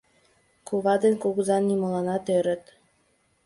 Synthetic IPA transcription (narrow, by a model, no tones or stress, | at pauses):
kuβɑd̪enʲkoɣɤ̆zɑnːimɤ̆lɑnɑt̪øɾə̆t̪